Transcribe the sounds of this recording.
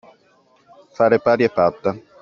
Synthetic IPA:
faːɾepaːɾjepat̪ːa

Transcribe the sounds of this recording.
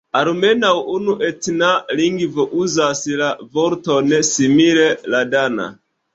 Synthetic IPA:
aɾme̞nawunuʔetnaliŋɡvoʔuzaslavoɾtonesimileladana̰

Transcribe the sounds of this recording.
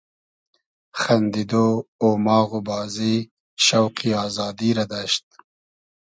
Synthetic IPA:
xand̪id̪oomɑːɣubɑːzi | ʃawqiɑːzɑːd̪iɾad̪aʃt̪̚

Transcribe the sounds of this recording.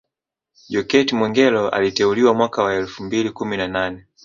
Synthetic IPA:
ʄɔkɛtimwɛŋɡɛlɔa̰litɛuliwamwakawaɛlfumbilikuminananɛ

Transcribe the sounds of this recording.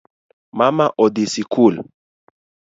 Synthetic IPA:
mamaʔɔd̪isikul

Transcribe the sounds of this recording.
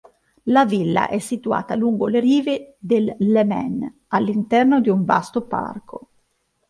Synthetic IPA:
lavilːa̰ʔɛsːit̪ua̰ːt̪aluŋɡoleɾiːved̪elːemɛ̰n | alːint̪ɛrnod̪iuɱva̰st̪opa̰rkʰo

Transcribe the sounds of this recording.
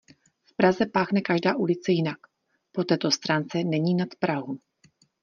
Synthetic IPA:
fpɾazɛpaːxnɛkaʒdaːʔulɪt͡sɛjɪnak | po̞t̪ɛːt̪o̞st̪ɾaːnt͡sɛnɛɲiːnat̪pɾaɦu

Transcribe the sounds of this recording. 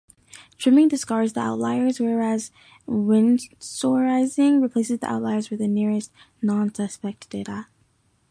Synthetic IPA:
dʰɹ̥ɪ̃mɪ̃ŋdɨskɑɹzðia̰ʊtˡlaɪə˞zwɛɹæz | wɪ̃nsɔɹaɪzɪ̃ŋɹipʰl̥eɪsɨzðiʔa̰ʊtˡlaɪə˞zwɨðɨnɪɹɨst | nɑ̃nsʌspɛk̚td̥eɪɾə

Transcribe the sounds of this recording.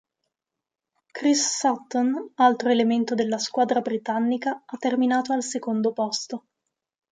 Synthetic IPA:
kɾisːat̪ːonalt̪ɾoelement̪od̪elːaskwaːd̪ɾabɾit̪anːikaat̪ːerminaːt̪oalsekond̪opɔst̪o

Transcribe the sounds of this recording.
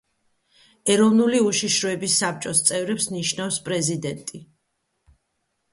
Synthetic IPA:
ɛɾɔvnuliuʃiʃɾɔɛbisːap̚t͡ʃʼɔst̪sʼɛvɾɛpsniʃnafspʼɾɛzid̪ɛnt̪ʼi

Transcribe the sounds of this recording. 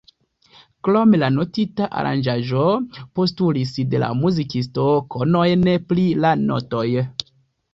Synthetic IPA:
klomelanotitaʔa̰ɾa̰nd͡ʒaʒo̞po̞stulisde̞la̰muzikisto̞kʰono̞jneplilano̰to̞j

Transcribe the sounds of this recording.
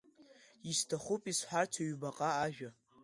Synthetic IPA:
istʰaχʷʊpʼisħʷartʰaɥbaqʼaːʒᶣa

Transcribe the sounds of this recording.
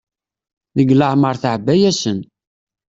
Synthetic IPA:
nəɡləʕməɾˤθəʕbːæjæsən

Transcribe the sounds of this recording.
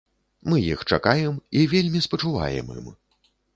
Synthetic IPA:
mɨjixt͡ʂa̰kajɛmivʲelʲmʲispɐt͡ʂuva̰jɛ̰mɨ̰m

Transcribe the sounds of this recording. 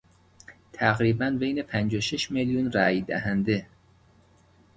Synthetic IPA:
t̪ʰæɣɾiːbænbejnepʰænd͡ʒoʃeʃmeljunɾæːjd̪æ̰ɦænd̪e

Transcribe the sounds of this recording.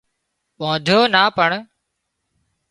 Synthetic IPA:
ɓõːd̪ʱjoːnaːpəɳ

